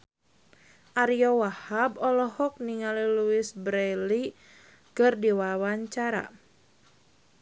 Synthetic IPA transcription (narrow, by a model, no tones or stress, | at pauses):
ʔaɾijɔwahabɔlɔhɔk̚niŋaliluisbɾɛli | kɨrdiwawaɲt͡ʃaɾa̰